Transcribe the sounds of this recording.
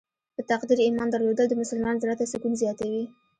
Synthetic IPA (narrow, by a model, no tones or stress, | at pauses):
pət̪aqd̪iɾimɑnd̪aɾlod̪əld̪əmʊsʊlmɑnozɾat̪asʊkunzjɑt̪awi